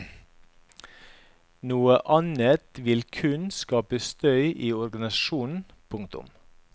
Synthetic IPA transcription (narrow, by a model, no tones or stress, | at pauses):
nuːəʔɑnət̪ʋɪlkʰʉnskɑːpəst̪œʏʔiːɔɾɡɑnɪsɑʃuːnn̩ | pʰʊŋ̚t̪ʊ̰m